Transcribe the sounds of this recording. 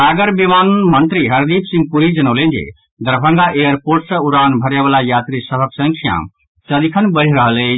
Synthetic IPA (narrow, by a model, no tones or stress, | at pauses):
aɡəɾbimanmənt̪ɾiɦəɾd̪ipʰsĩŋɡ̚puɾid͡ʒənəlẽnd͡ʒḛ | d̪əɾbʱə̃ŋɡaʔejəɾpoɾʈsə̃uɾanbʱəɾeʋalajat̪ɾisəbəksə̃ŋkʰija̰m | səd̪ikʰənbəɽ̤ɾəɦəle